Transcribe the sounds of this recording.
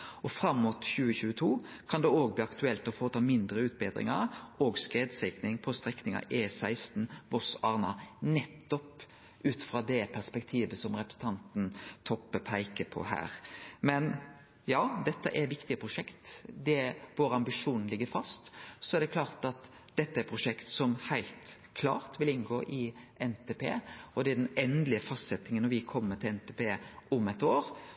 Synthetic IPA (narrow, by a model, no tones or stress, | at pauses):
ʔɔfɾɑmːuːt̪çʉːəçʉːət̪ʰuː | kʰɑnd̪ɛoːɡ̚bliːɑkt̪ʉɛlt̪ɔfoːt̪ʰɑːmɪnd̪ɾəʉːt̪̚beːd̪ɾɪ̰ŋəɾoːɡskɾeːd̪sɛɪknɪŋpʰɔst̪ɾɛknɪŋɑ̰ʔeːsæɪst̪n̩ʋɔsɑːʁnɑnɛt̪ːɔp | ʔʉːt̪fɾɑːd̪ɛpʰæspɛkt̪ʰiːʋəsɔmɾɛpɾəsət̪ʰɑnt̪n̩t̪ʰɔpːəpʰæɪkəpʰɔ̰hæ̰ːɾmɛn | jɑːd̪ɛt̪ːə̰ʔɛɾʋɪkt̪ɪəpʰɾʊʂɛkt̪d̪ɛʋoːɾəɑmbɪʂuːnn̩lɪɡːəɾfɑst̪sɔɛɾd̪ɛkʰlɑːɾt̪ɑt̪ | d̪̥ɛt̪ːəɛɾpʰɾʊʂɛkt̪sɔmhæɪlt̪ | kʰlɑ̰ːɾt̪ʋɪlɪnɡoːʔɪʔɛnt̪ʰeːpʰḛːɔd̪ɛæd̪ɛnɛnd̪lɪəfɑst̪sɛt̪ːɪŋənːɔɾʋɪkʰɔmːət̪ʰɪlɛnt̪ʰeːpeːʔʊmɛt̪oːɾ